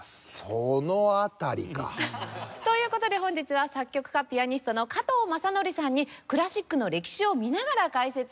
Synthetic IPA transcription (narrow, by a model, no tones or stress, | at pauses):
sonoat̪aɾʲḭka̰t̪o̞jɯ̟ːko̞t̪o̞d̪e̞ɦõ̞ɲ̟d͡ʑit͡sɨβasakʲːo̞kɯ̥kapʲiaɲ̟isɨ̥t̪o̞no̞kat̪o̞ːmasano̞ɾʲisãɲ̟ːikɯ̟ɾaɕikːɯno̞ɾe̞kʲi̥ɕio̞mʲinaɡaɾakaise̞t͡sɨ